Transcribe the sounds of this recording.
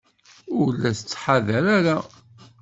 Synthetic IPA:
ʊɾlːæsət͡sːħaðæɾæɾa

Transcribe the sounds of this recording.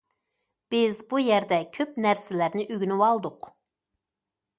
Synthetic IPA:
b̥ɪzbujɛɾd̪ɛkʲʰøpnæɾsɪlæɾnɪʔyɡʲynywɑlˠd̪ʊq

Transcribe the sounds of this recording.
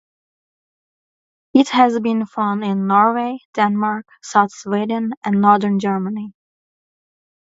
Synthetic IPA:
ɪthɨzbɨ̃nfãʊ̃ndɪ̃nːɔɹweɪd̥ɛ̃nmɑɹk | saʊθswɪdə̃n̩ɨ̃nnɔɹðə̃˞nd͡ʒɜ˞məni

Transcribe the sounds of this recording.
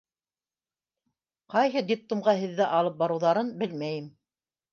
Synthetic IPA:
qɑjɦɤd̪ʲip̚t̪umʁɑɦɘ̆ðːæʔɑlˠɤp̚bɑɾɤ̆wðɑɾɤnbɘlmæjɘm

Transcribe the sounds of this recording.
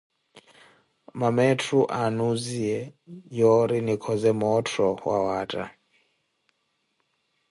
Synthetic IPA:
mamɛtʰɾuʔanuziɛjɔɾinikʰɔzɛmɔtʰɾɔwawatʼa̰

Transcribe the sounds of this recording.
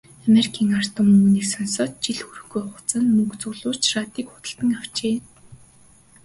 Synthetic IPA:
ameɾikʰiːŋar̥t̪ʰʊmuːniːksɔnsɔːt̪̚t͡ɕiɮxuɾɵ̆xɡujʊχʊ̥̆t͡sə̆nmɵkt͡sʊɮʊːr̥t͡ɕrat̪iːkχʊ̥t̪ə̆ɬt̪ə̆ŋaw̥t͡ɕeː

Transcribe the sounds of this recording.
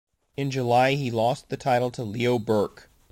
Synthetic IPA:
ɨ̃nd͡ʒɨlaɪilɔst̪̚ðɨtʰaɪɾl̩ˠtʰəlioʊbɜ˞k

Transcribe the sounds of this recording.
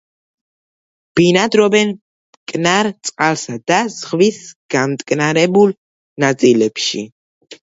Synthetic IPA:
b̥inad̪ɾɔbɛn | kʼnaɾt̪sʼqʼalˠsad̪az̥ʁvisɡ̥amt̪ʼkʼnaɾɛbul | nat̪sʼilɛpʃḭ

